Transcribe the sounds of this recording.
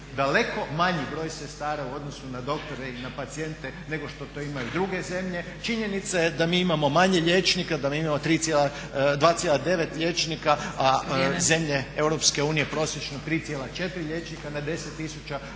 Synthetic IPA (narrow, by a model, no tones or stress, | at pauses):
d̪ale̞kʰo̞maɲibɾo̞ːjsest̪aːɾauo̞d̪no̞sunad̪o̞kt̪o̞ɾeinapat̪sie̞nt̪ene̞ɡo̞ʃt̪o̞t̪oimajud̪ɾuɡe̞ze̞mʎe̞ | t͡ʃiɲe̞nit̪sajed̪amiːimamo̞maɲeʎet͡ʃnikad̪amiimamo̞t̪ɾiːt̪jela | d̪ʋaːt̪sjelad̪e̞ʋe̞t̪ʎʲe̞ːt͡ʃnikaaze̞mʎeewɾo̞pske̞uːnije̞pɾo̞sjet͡ʃnot̪ɾiːt̪jelat͡ʃe̞t̪ɾiʎe̞t͡ʃnikanad̪e̞set̪ːisut͡ʃa